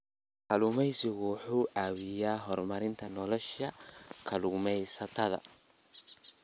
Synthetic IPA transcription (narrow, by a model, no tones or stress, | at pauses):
kʰɐlʊmɛjsɪɣʊwħuːaːwɪjaːɦɔrmɐɾɪnt̪ʰɐnɔlɔʃɐkʰɐlʊmɛjsɐt̪ʰɐðɐ̰